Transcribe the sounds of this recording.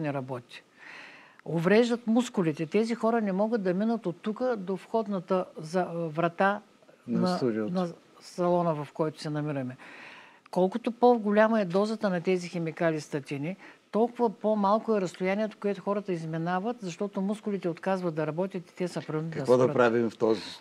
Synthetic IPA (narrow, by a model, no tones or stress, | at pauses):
nɛɾɐbɔt̪i̥ | ovɾɛʒd̪ət̪muskʊlit̪ɛt̪ɛzixɔɾənɛmɔɡəd̪̚d̪ɐminət̪ot̪ːukəd̪ofxɔd̪nɐt̪əzɐvɾɐt̪a | nɐnɐ | sɐlˠɔnəvɐfkɔjt̪ʊ̥sɛnɐmiɾɐmɛ | kɔlˠkʊt̪opoɡʊlʲaməɛd̪ɔzət̪ənɐt̪ɛzixɛmikalʲist̪ɐt̪init̪ɔlˠkʊvɐpomalˠkʊɛɾɐst̪ʊjanʲiɛt̪o̥koɛt̪ʊxɔɾət̪əizmɛnavət̪zɐʃt̪ɔt̪omuskʊlit̪ɛot̪kazvɐt̪̚d̪ɐɾɐbɔt̪ʲət̪i̥t̪ɛsɐpɾɐk̪ɐvɔd̪ɐpɾavimft̪ɔzi